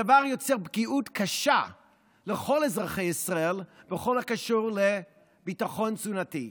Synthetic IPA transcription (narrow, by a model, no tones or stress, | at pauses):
avaʁjo̞t͡seʁbɡiutkʰaʃa | leχo̞lezʁaχejisʁaelbeχo̞lhakaʃuʁle | bitaχo̞nzunati